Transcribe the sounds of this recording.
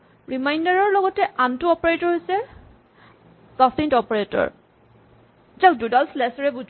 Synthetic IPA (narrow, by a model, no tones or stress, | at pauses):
ɹimajndaɹɔɹlɔɡɔtɛʔantuɔpɔɹetɔɹɦojsɛ | sasintɔpɔɹetɔ̰ɹ | zak̚dudalslɛsɔɹɛbuz